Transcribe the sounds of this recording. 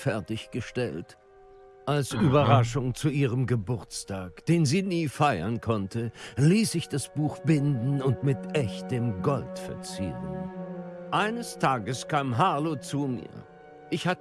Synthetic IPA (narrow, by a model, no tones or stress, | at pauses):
fɛɐtɪçɡ̥əʃtɛ̰lt | ʔalsʔyːbɐʁaʃʊŋt͡suʔiːʁəmɡəbʊɐt͡stʰaːkd̥eːnziːniːfaɪɐ̰nkʰɔntʰəliːszɪçd̥asb̥uːxb̥ɪndn̩ʊntmɪtʔɛçtəmɡɔltfɛɐt͡sḭːʁən | ʔaɪnəstʰaːɡəskʰaːmɦaːlot͡sumḭːɐ | ʔɪçhat